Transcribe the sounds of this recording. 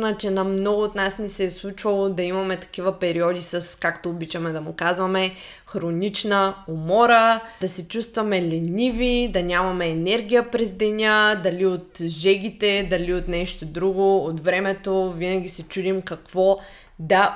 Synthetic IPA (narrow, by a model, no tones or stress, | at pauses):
nɐt͡ʃɛnɐmnɔɡʊot̪nasnisɛːslˠut͡ʃvɐlˠod̪ɐimɐmɛt̪ɐ̥kivəpɛɾiɔd̪isɐskakt̪oːbit͡ʃɐmɛd̪ɐmʊkazvɐmɛ | xɾonit͡ʃnɐomɔɾəd̪ɐsɛt͡ʃust̪vɐmɛlɛnʲivid̪ɐnʲamɐmɛːnɛɾɡʲijəpɾɛzd̪ɛnʲad̪ɐliot̪ʒɛɡit̪ɛd̪ɐliot̪nɛʃt̪od̪ɾuɡoːt̪vɾɛmɛt̪ovinɐɡʲisɛt͡ʃud̪imkɐkv̥ɔ | d̪ɐ